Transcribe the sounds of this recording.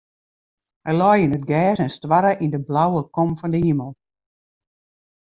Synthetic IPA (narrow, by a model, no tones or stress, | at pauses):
hɛjlɔjinət̚ɡɛːsɛnstwaɾəʔindəblawəkɔmfɔndəhiməlˠ